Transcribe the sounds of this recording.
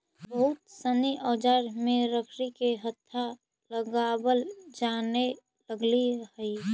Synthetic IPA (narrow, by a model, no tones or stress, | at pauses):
bəɦʊt̪səniʔɔːd͡ʒaɾmẽɾəkʰɾikeɦət̪ʰːa | ləɡabəld͡ʒane | ləɡliəɦəi